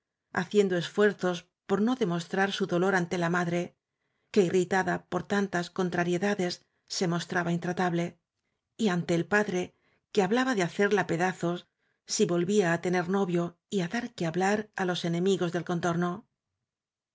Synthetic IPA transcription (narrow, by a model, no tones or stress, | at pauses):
a̰θje̞nd̪o̞e̞sfwe̞ɾθo̞s | po̞ɾno̞ðe̞mo̞st̪ɾaɾsuðo̞lo̞ɾant̪e̞lamaðɾe̞ | ke̞irit̪aðapo̞ɾt̪ant̪asko̞nt̪ɾaɾje̞ðaðe̞sː | e̞mo̞st̪ɾaβaint̪ɾat̪aβle̞ | iant̪e̞ːlpaðɾe̞ | ke̞aβlaβaðe̞aθe̞ɾlape̞ðaθo̞s | siβo̞lβiaːt̪e̞ne̞ɾno̞βjo̞ | iaðaɾkeaβlaɾalo̞se̞nẽ̞miɣo̞zðe̞lko̞nt̪o̞ɾno̞